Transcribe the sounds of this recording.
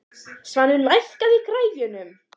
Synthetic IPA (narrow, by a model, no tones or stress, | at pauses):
svanːʏlajhkaðikʰɾaːjvʏnʏm